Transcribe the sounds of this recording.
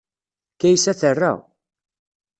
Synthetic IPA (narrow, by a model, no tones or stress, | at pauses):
kæjsæθərːa̰